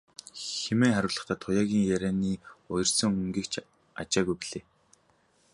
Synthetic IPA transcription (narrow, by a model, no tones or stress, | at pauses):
xemeːŋχaɾʲʊ̆ːɮə̆χt̪ʰaːt̪ʰʊjaːɣʲiːŋjæɾæːniːʊjɞ̆rsə̆ŋɵŋɡiːkt͡ɕʰ | a̰t͡ɕaːɣujpiɮeː